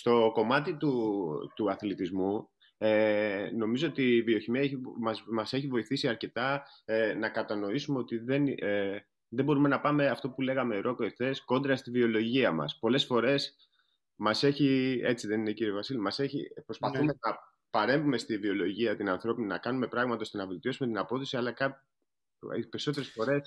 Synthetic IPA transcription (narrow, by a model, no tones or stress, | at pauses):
st̪o̞ko̞mɐt̪it̪ut̪uɐθlit̪izmu | eno̞mizo̞ot̪ivio̞çimiɐeçimɐmɐse̞çivo̞iθisiɐɾce̞t̪ɐ | enɐkɐt̪ɐno̞isume̞o̞t̪iðe̞n | ðebo̞ɾume̞nɐpɐme̞ɐft̪o̞pule̞ɣɐme̞ɾʔo̞koe̞kθe̞sko̞nd̪ɾɐst̪ivio̞lo̞ʝiɐmɐ̰spo̞le̞sfo̞ɾe̞s | mɐse̞çie̞t͡siðe̞nineciɾiovɐsilimɐse̞çḭpɾo̞spɐθume̞nɐ | pɐɾe̞ɱvume̞st̪ivio̞lo̞ʝiɐt̪inɐnθɾo̞pinnɐ̰kɐnume̞pɾɐɣmɐt̪o̞st̪enɐve̞lt̪io̞sume̞t̪inɐpo̞θosiɐlɐkɐ | peɾiso̞t̪̬eɾe̞sfo̞ɾe̞s